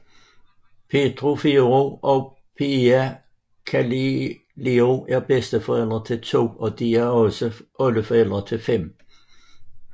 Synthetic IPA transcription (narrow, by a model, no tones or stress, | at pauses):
pʰe̝d̥ʰʁofiʁoʔɒ | pʰiæ | kʰæl | lioæɐb̥esd̥əfɒ̽el̰d̥ʁɐt͡sʰe̝lt͡sʰo̝̰ːɒ̽d̥iæɐɒ̽səɔləfɒel̰d̥ʁɐt͡sʰe̝lfem̰